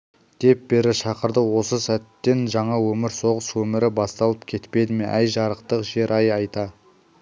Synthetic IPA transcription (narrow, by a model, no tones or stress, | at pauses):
d̪̥e̞p̚be̞ɾɪʃɑqəɾd̪əwo̞səsæt̪ːe̞nʒɑɴɑwɵmɪɾso̞ʁəswɵmɪɾɪbɑst̪ɑlˠəp̚kʲʰe̞t̪pe̞d̪ɪme̞ʔæjʒɑɾəqt̪əqʒe̞ɾʔɑjɑjt̪ɑ